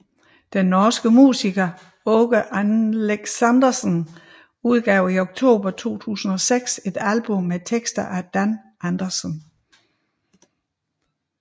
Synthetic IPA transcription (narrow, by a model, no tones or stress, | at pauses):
d̥enːɒːsɡ̥əmṵːsiɡ̥ɐ | ɔɡ̥əʔænleɡ̥sænd̥ɐsən | uð̞ˠɡ̥ɛʊ̰ioɡ̥̚t͡sʰo̝̰ːb̥ɐt͡sʰo̝̰ːt͡sʰṵːsn̩ɒ̽seɡ̥se̝d̥ælb̥ɔ̽met͡sʰeɡ̥sd̥ɐʔæd̥æn | ænd̥ɐsən